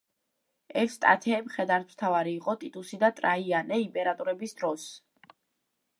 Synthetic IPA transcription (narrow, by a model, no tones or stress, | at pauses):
ɛfst̪ʼa̰t̪ʰɛːmχɛd̪aɾt̪ʰmt̪ʰavaɾiːqʼɔt̪ʼit̪ʼusid̪at̪ʼɾaianɛimpʼɛɾat̪ʼuɾɛbisd̪ɾɔs